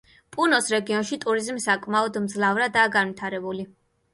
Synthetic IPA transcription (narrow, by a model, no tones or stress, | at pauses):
pʼunɔsɾɛɡiɔnʃit̪ʼuɾizmsakʼmaɔd̪md̪zlˠavɾad̪aːɡanvwit̪ʰaɾɛbuli